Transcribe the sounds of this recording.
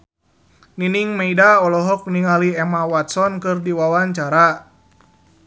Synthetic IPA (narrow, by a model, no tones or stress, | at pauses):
niniŋmeidaɔlɔɦɔk̚niŋaliɛmawat̪̚sɔnkɨrdiwawaɲt͡ʃaɾa